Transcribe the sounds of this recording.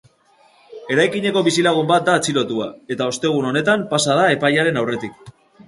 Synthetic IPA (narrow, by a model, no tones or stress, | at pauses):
e̞ɾajkiɲe̞ko̞βisilaɣ̞umbat̪̚d̪aːt͡silo̞t̪uae̞t̪ao̞st̪e̞ɣ̞uno̞ne̞t̪ampasað̞ae̞pajaɾe̞nawre̞t̪ik